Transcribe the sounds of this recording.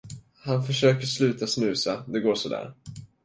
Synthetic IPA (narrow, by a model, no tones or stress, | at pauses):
hanfœʂøːkəʂlʉ̟ːt̪asnʉ̟ːsad̪ɛɡoːʂɔd̪æ̰ːɾ